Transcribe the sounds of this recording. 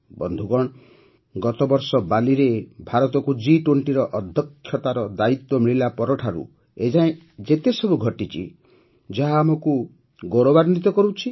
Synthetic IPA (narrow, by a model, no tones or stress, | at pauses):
bɔnd̪ʱuɡɔɳ̃ | ɡɔt̪ɔbɔɾsɔbaliɾebʱaɾɔt̪ɔkud͡ʒiʈoɳʈiɾɔʔɔd̪ʱjɔkʰːjɔt̪aɾɔd̪ait̪wɔmiɭilapɔɾɔʈʰaɾṵ | ed͡ʒaẽ | d͡ʒet̪esɔbuɡʱɔʈit͡ʃʰḭ | d͡ʒaɦaːmoku | ɡɔɾobaɾnit̪ɔkɔɾut͡ʃʰi